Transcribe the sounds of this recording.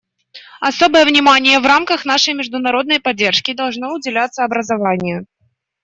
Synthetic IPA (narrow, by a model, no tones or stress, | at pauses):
ɐso̞bəjəvnʲɪmanʲɪjəvramkəxn̪aʂəjmʲɪʐd̪ʊnɐɾo̞d̪̚nəjpɐdʲːe̞rʂkʲɪd̪ɐlˠʐnoʊdʲɪlʲat̪sːəɐbɾəzɐvanʲɪjʊ